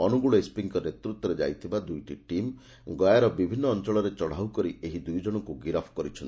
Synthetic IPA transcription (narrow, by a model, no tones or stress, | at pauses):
ɔnuɡuɭɔispiŋkɔnet̪ɾut̪ːwɔɾed͡ʒa̰jt̪ʰibad̪ujʈiʈim | ɡɔjaɾɔbibʱinːɔːnt͡ʃɔɭɔɾet͡ʃɔɽ̤awkɔɾiʔeɦid̪ujd͡ʒɔɽ̃ɔŋkuɡiɾapʰkɔɾit͡ʃʰɔni